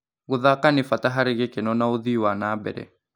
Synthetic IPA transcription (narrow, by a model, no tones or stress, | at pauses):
ɣoðakanɪfataɦaɾeɣekenɔnaoðiwanaːbɛ̰ɾɛ̰